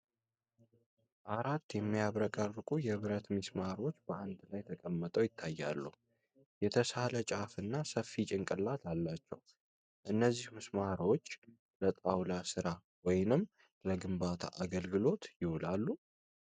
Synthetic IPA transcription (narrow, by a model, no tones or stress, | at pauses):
ʔaɾat̪ːjɛmːijaβɾəkʼərːɨkʼujɛβɨɾət̪mɨsmaɾo̞t͡ʃːbəʔand̪lajt̪ʰəkʼəmːət̪ʼəwjɪt̪ʰːajːa̰lːu | jɛt̪ʰəsalət͡ʃʼafɨnːasəfːit͡ʃʼɪŋkʼɨlːat̪ʰalːat͡ʃːɛ̰w | ʔɨnːəzːihmɨsmaɾo̞t͡ʃː | lət̪ʼawlasɨɾa | wɔjnɨmː | ləɡɨmbat̪ʰa̰ʔaɡəlɡɨlo̞t̪jɪhlalːu